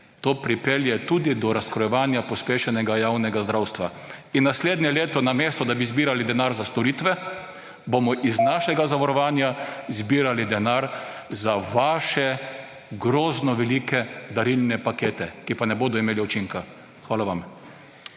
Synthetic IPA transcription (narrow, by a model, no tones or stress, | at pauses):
t̪oːpɾipeljɛt̪uːd̪id̪ɔɾaskɾɔjɛʋaːnjapɔspeːʃɛnɛɡajawnɛɡazd̪ɾawst̪ʋa̰ | inːasleːd̪njɛleːt̪ɔnameːst̪ɔd̪abizbiːɾalid̪ɛnaːɾzast̪ɔɾiːt̪ʋɛ | bomɔʔiznaʃɛɡazaʋɔɾɔʋaːnjazbiːɾalid̪ɛnaɾzaʋaːʃɛ | ɡɾoːznɔʋɛlikɛd̪aɾilnɛpakeːt̪ɛkipanɛboːd̪ɔimeːliut͡ʃiŋka | xʋaːlaʋam